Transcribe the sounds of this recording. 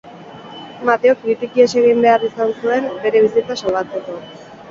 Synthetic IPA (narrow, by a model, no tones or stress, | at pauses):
mat̪eok̚bit̪ikie̞se̞ɣimbe̞arisansue̞mbe̞ɾe̞βisit͡sasalɣat͡se̞ko̞